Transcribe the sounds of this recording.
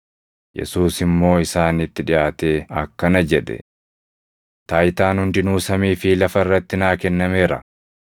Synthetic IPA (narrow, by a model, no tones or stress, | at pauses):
jɛ̰suːsɪmːo̞ːɪsaːnɪt̪ːɪᶑɪjaːt̪e̞ːɐkːɐnɐd͡ʒɛᶑ̪ɛ̰ | t̪aːjt̪aːnhʊnd̪ɪnuːsɐmiːfilɐfɐɪrːɐt̪ːɪnaːkɛnːɐme̞ːɾɐ̰